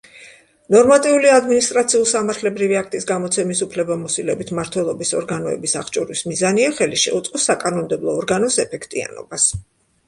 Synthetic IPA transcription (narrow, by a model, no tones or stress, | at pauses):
nɔɾmat̪ʼiuliad̪minist̪ʼɾat̪sʰiulˠsamaɾt̪ʰlɛbɾiviak̚ʰt̪ʼisɡamɔt̪sʰɛmisupʰlɛbamɔsilɛbit̪ʰmaɾt̪ʰwɛlˠɔbisɔɾɡanɔɛ̰bisaχt͡ʃʼɔɾismizaniaχɛliʃɛ̰ut̪sʼqʼɔsːakʼanɔmd̪ɛblˠɔːɾɡanɔsɛpʰɛkʰt̪ʼia̰nɔ̰bas